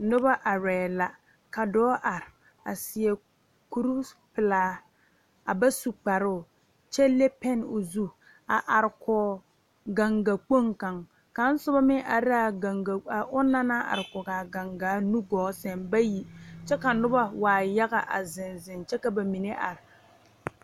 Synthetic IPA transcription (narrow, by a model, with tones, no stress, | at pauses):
nʊ˦ba˦ʔa˨ɾɛː˨la˨ | ka˨dɔː˦ʔa˨ɾɪ˨ | a̰˨sɪ˨ɛ˨ | ku˦ɾu˦pɪ˨laː˦ | a˨ba˦su˨k͡pa˨ɾʊ˦˨ | t͡ʃɛ˦le˦pɛ˦nʊ˨zu˦ | a˨ʔa˨ɾɪ˨kʰɔː˨˦ | ɡa˨ŋɡa˨k͡po˦ŋka˨ŋ | ka˨n̩˦sʊ˦ba˦mɪ˦ʔa˨ɾa˨a˨ŋɡa˨a˨ʔʊ˦na˦na˦ʔa̰˨ɾɪ˨kʊ˨ɡa˨ɡa˨ŋɡa˨˦nu˦ɡɔː˨˦sɛ˨nba˦ji˨t͡ʃɛ˦ka˨nʊ˦ba˦waː˨ja˦ɣa˨ʔa̰˨zɪ˨nzɪ˨nt͡ʃɛ˦ka˨ba˨mi˨ne˦ʔa˨ɾɪ˨